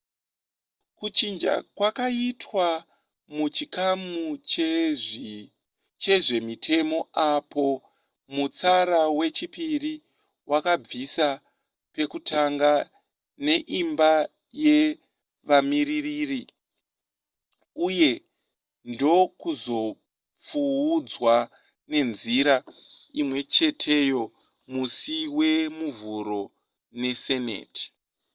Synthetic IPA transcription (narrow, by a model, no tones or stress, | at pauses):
kut͡ʃind͡ʒa̰kwakaitwa | mut͡ʃikamu | t͡ʃe̞ʐe̞mitʰe̞mo̞apʰo̞ | mut͡saɾawe̞t͡ʃipiri | wakab͡visa | pe̞kutʰaŋɡa | ne̞ʔimba | je̞ | ʋamiririri | uje̞ | ndo̞kuzo̞ | p͡fuud͡zwa | ne̞nziɾaimwe̞t͡ʃe̞tʰe̞jo̞ | musiwe̞muvuɾo̞ | ne̞se̞nḛːtʰi̥